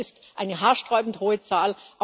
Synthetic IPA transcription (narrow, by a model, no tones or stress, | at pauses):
ɪstʔaɪnəɦaːɐʃtʁ̥ɔʏbn̩thoːət͡saːlʔa